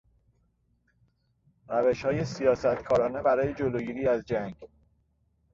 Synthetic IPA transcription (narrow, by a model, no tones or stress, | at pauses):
ɾæveʃhɒːje̞sijɒːsæt̪kʰɒːɾɒːne̞bæɾɒːje̞d͡ʒoloɡiːɾiːæzd͡ʒæŋɡ